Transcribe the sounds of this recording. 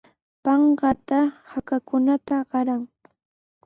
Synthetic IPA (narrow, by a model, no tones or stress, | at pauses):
pɑɴɢɑt̪ahakakʊnat̪aɢɑɾaŋ